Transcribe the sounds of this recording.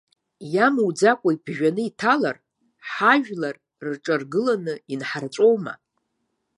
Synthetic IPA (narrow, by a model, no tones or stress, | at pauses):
jamwd͡zakʷʼaibʒᶣanɨitʰala̰r | ħaʒᶣlar | rʈ͡ʂʼarɡɨlanɨinħart͡sʷʼo̞wma̰